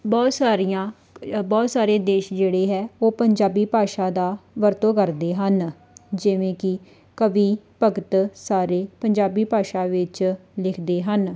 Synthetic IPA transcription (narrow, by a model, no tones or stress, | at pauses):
bɔːt̪saːɾijãː | bɔːt̪saːɾeːd̪eːʃd͡ʒeːɽeːɦɛːoːpəɲd͡ʒaːbiːpaːʃaːd̪aːʋəɾt̪õːkəɾd̪eːɦən | d͡ʒɪʋẽːkɪ | kəʋiːpəɡət̪saːɾeːpəɲd͡ʒaːbiːpaːʃaːʋɪt͡ʃlɪkʰd̪eːɦən